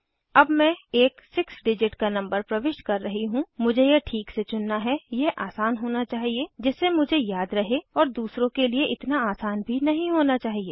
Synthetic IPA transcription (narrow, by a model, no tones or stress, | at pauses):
ɐbmɛ̃eːksɪksɖɪd͡ʒɪʈkanɐ̃mbəɾpɾɐʋɪʃkɐɾːɐɦiɦũmʊd͡ʒʱejeʈʰiːkset͡ʃʊnːaɦɛjeʔaːsaːnɦoːnat͡ʃaːɦied͡ʒɪsːemʊd͡ʒʱejaːd̪ɾɐɦeɔːɾd̪uːsɾõkelieʔɪt̪naaːsaːnbʱinɐɦĩɦoːnat͡ʃaːɦieː